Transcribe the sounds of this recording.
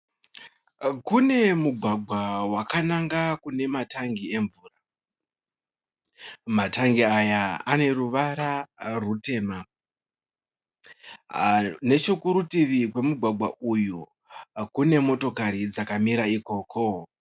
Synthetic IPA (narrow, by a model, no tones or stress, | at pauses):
kune̞muɡʱwaɡʱwawakanaŋɡakune̞mataŋɡie̞ɱvuːra | mataŋɡiajaane̞ruʋaɾarute̞ːma | ne̞t͡ʃokuɾutiʋikwe̞muɡʱwaɡʱwa̰ʔuju | kune̞mo̞to̞kaɾid͡zakamiɾaiko̞ːkʰo